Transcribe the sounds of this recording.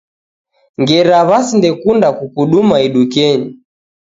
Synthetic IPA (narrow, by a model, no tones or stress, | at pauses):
ŋɡɛɾaβasindɛkundakukuɗumaiɗukɛɲi